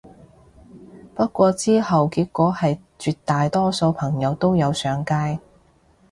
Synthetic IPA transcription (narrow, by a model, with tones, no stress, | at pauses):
pɐ˥t̚kʷɔː˧t͡siː˥hɐ˨wkiː˧kʷːɔː˨˥hɐ˨j | t͡ʃyː˨˧t̚t̪aː˨jt̪ɔː˥so˧wpʰɐ˨˩ŋjɐ˨˧wt̪o˥wjɐ˨˧wsœː˨˧ŋkaː˥j